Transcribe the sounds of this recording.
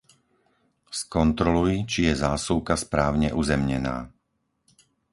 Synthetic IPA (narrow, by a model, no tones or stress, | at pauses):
skɔnt̪ɾɔlujt͡ʃijɛzaːsuʊkaspɾaːʊɲɛʔuzɛmɲɛna̰ː